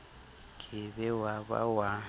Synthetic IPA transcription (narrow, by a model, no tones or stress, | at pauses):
kʼɪbɛwaβa̰wa